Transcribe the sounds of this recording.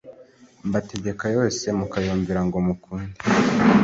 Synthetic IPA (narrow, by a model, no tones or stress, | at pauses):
mbate̞ɟe̞kajo̞ːse̞mukajuːɱviɾaŋɡomukʰuːndi̥